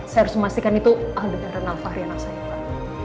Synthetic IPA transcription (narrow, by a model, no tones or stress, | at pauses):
sajaɾʊsməmast̪ikanit̪uadukaɾənalfaɦɾianaksajaa